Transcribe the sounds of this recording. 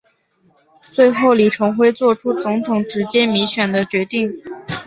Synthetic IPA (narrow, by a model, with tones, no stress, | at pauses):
t͡swe˥˧ɪxo˥˩ʊli˨˩ʈ͡ʂʰɤ˧˥ŋxwe˥ɪt͡swɔ˥˩ʈ͡ʂʰu˥t͡sʊ˧˥ŋt̪ʰʊ˨˩ŋʈ͡ʂɻ̩˧˥t͡ɕjɛ˥mi˧˥ŋɕɥɛ˨˩nd̪ə˦t͡ɕɥɛ˧˥t̪i˥˩ŋ